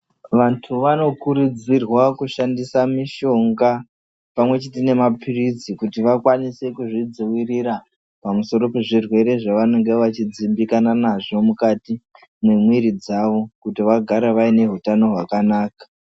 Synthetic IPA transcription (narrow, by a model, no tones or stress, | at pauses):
ʋantʰuʋano̞kuɾud͡zirwakuʃandisamiʃo̞ŋɡa | pamwe̞t͡ʃitine̞mapʰirid͡zikutiʋakwanise̞kuʐid͡ziwiriɾa | pamuso̞ɾo̞pe̞ʐirwe̞ɾe̞ʐaʋano̞ŋɡe̞ʋat͡ʃid͡zimbikananaʐo̞mukati | memwiɾid͡zaʋo̞kutiʋaɡʱaɾeʋaine̞ɦutano̞ɦwakanaːkḁ